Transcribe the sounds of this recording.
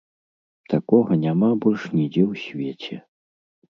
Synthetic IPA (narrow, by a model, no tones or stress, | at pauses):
t̪akɔɣɐnʲamabɔlʲʂnʲid͡zʲɛwsʲvʲet͡sʲɛ